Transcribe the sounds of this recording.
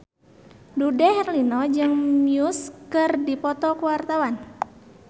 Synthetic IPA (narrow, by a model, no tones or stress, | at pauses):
dudɛhɛrlinɔd͡ʒɨŋmjuskɨrdipɔt̪ɔkuwart̪awan